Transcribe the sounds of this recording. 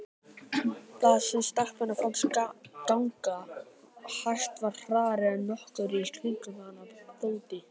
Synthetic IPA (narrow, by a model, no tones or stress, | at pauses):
θaðsɛmst̪akpɪnafanskawŋka | hajst̪vaɾ̥r̥aːɾɪanɔhkʏɾist̪ʰvɪŋkʏmanapoːt̪ɪ